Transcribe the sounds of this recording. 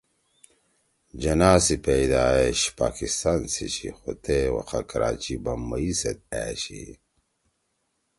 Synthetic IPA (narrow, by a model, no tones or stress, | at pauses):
d͡ʑɐnaːsipeid̪aːeɕpaːkist̪ansit͡ɕʰḭxut̪ʰewɐ̰qakɐɾa̰ːt͡ɕibɐmːɐisɐt̪̚æːɕḭ